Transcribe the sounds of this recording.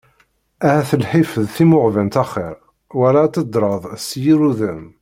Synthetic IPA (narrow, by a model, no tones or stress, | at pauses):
æhæθəlħifəðθimʊʕvænt̪æχɪ̰ɾ | wælat̪ːəd̪ɾˤəðˤsjiɾuðən